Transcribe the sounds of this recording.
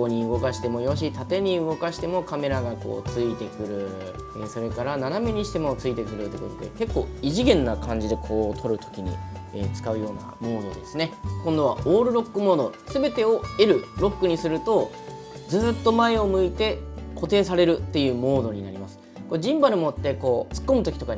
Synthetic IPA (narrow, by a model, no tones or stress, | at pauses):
oɲ̟iɯ̟ɡo̞kaɕi̥t̪e̞mo̞jo̞ɕ̬it̪at̪e̞ɲ̟iɯɡo̞kaɕi̥t̪e̞mo̞kame̞ɾaɡako̞̰ːt͡sɨit̪e̞kɯ̟ɾɯ̟ | eso̞ɾe̞kaɾananameɲ̟iɕi̥t̪e̞mo̞t͡sɨit̪e̞kɯ̟ɾɯ̟t̪ːekot̪o̞d̪e̞̰ke̞kːo̞ːiʑiɡẽ̞nːakʰãɲ̟d͡ʑid̪e̞kʰo̞ːt̪ʰo̞ɾɯ̟t̪ʰo̞̥kʲiɲ̟ḭḛt͡sɨ̥kaɯ̟jo̞ːna̰mo̞ːd̪o̞̰d̪e̞sɨne̞kõ̞nd̪o̞β̞aoːɾɯ̟ɾo̞kːɯ̟mo̞ːd̪osɨbe̞t̪e̞o̞e̞ɾɯ̟ɾo̞kːɯ̟ɲ̟isɨɾɯ̟t̪o̞ | d͡zɨːt̪ːo̞mae̞o̞mɯ̟it̪e̞ko̞t̪e̞ːsaɾe̞ɾɯ̟t̪ːe̞jɯ̟ːmo̞ːd̪o̞ɲ̟inaɾʲimasɨ̥ | ko̞d͡ʑĩmbaɾɯ̟mo̞t̪ːe̞ko̞ːt͡sɨ̥kːo̞mɯ̟t̪o̞kʲit̪oka